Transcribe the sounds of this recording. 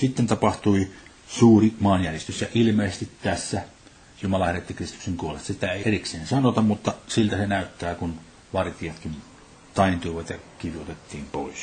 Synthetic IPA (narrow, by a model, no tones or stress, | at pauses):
sit̪ːent̪ɑpɑht̪ui | suːrimɑːnjærjest̪ysjɑilmeˑːsest̪it̪t̪æsːæ | jumɑlɑhæret̪ːikrist̪u̥kseŋkuolest̪ɑsit̪æeˑierikseːnsɑnot̪ɑmmut̪ːɑsilt̪æsenæˑyt̪ːæːkun | ʋɑrt̪iɑt̪kin | t̪ɑˑint̪uiʋɑt̪jɑkiʋiot̪et̪ːiːmpoˑes